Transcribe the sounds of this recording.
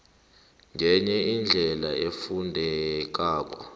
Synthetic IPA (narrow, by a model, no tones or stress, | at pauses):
ŋʱɛɲɛind͡ɮʱɛlaefundʱɛk̬aːk̬ɔ